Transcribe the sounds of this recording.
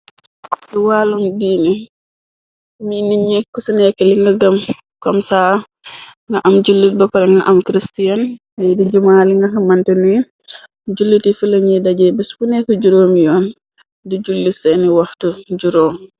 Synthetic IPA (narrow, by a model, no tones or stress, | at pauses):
diwaːlumdiːni | miniɲɛkːɔsinɛkːɛliŋɡɐɡɐm | kɔmsaː | ŋɡɐʔamd͡ʒulːit̚bɐpɐɾɛŋɡɐʔamkɾistijan | ɐjdid͡ʒumaːliŋɡɐɦɐmantɛnɛ | d͡ʒulːitifilɐɲidaɟɛbɛsbunɛkɔɟuɾoːmjɔːn | did͡ʒulːisɛniwaxtud͡ʒuɾoːm